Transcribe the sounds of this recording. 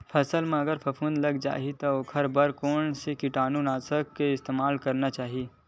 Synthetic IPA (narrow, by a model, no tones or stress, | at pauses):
pʰɐsəlmẽɐɡəɾpʰɐpʰũːnd̪lɐɡd͡ʒa̰ːɦit̪okʰɐɾbəɾkoːnsekɪʈaːnunaːsəkːeɪst̪eːmaːlkɐɾnat͡ʃaːɦiiː